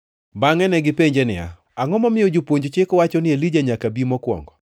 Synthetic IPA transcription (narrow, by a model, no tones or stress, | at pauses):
baŋɛnɛɡɪpeɲd͡ʒenɪa̰ | aŋɔmɔmɪjod͡ʒopwoɲd͡ʒt͡ʃɪkwat͡ʃɔnɪelid͡ʒaɲakabimɔkwɔ̰ŋɡɔ